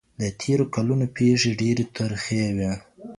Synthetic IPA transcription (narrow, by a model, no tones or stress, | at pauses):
d̪ət̪ʰeɾokalunopʰeʐeɖeɾet̪ʊɾxewe